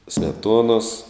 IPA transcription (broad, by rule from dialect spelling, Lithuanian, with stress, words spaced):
sʲmʲɛˈtuɔnoːs